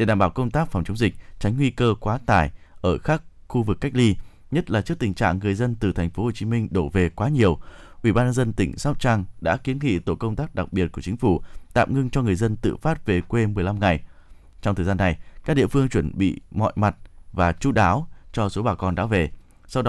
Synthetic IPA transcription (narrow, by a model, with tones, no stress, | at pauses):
ɗe˧˩ɗaː˧˩mɓaː˧˩wkə˧wŋ͡mt̪aː˦˥k̚fa˨˩ŋ͡mt͡ɕə˨˦wŋ͡mzï˨˩k̟̚t͡ɕa˨˦jŋ̟ŋwi˧kəː˧kwaː˨˦t̪aː˧˩jʔəː˧˩xaː˦˥k̚ | xu˧vɨ˨˩kːa˦˥k̟̚li˧ | ɲə˦˥t̚laː˨˩t͡ɕɨ˦˥k̚t̪ï˨˩ŋ̟t͡ɕa̰ː˧˨ŋːɨ˨˩əjzə˧nt̪ɨ˨˩t̪ʰɛ˨˩ŋ̟fo˨˦ho˨˩t͡ɕi˨˦mï˧ŋ̟ɗo˧˩ve˨˩kwaː˨˦ɲi˨˩əwʔwḭ˧˩ɓaː˧nɲə˧nzə˧nt̪ï˧˩ŋ̟saː˦˥p̚t͡ɕaː˧ŋɗa̰ː˧˥ki˨˦ənŋḭ˧˨t̪o̰˧˨kə˧wŋ͡mt̪aː˦˥k̚ɗa˨˩k̚ɓi˨˩ət̚ku˧˩ət͡ɕï̟˨˦fu˧˩t̪a̰ː˧˨mŋɨ˧ŋt͡ɕɔ˧ŋɨ˨˩əjzə˧nt̪ɨ̰˧˨faː˦˥t̚ve˨˩kwe˧mɨ˨˩əjla˧mŋa˨˩j | t͡ɕɔ˧wŋ͡mt̪ʰəː˨˩zaː˧nːa˨˩jkaː˦˥k̚ɗḭ˧˨əfɨ˧əŋt͡ɕwə˧˩nɓḭ˧˨mɔ̰˧˨jma˨˩t̚vaː˨˩t͡ɕu˧˦˥ɗaː˨˦wt͡ɕɔ˧so˨˦ɓaː˨˩kɔ˧˩nɗa̰ː˨˦wve˨˩ | sa˧wɗɔ˨˦